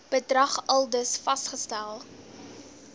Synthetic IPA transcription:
b̥ədrɐχɐlˠdəsfɐstχəstælˠ

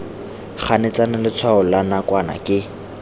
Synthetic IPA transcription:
χʰanɪt͡sanɪlɪt͡sʰwaʊlanakwana̰kʼɪ

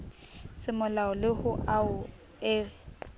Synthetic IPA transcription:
sɪmʊlaɔlɪhʊaʊ | ɛːf

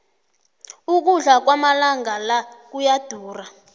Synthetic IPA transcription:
uk̬uɮak̬wamalaŋɡalak̬ujad̥ʱuːra

